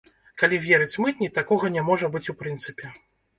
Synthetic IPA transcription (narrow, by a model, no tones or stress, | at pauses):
kalʲivʲɛɾɨt͡sʲmɨt̪ʲnʲit̪akɔɣɐnʲɛmɔʐɐbɨt͡sʲupɾɨnt̪sɨpʲɛ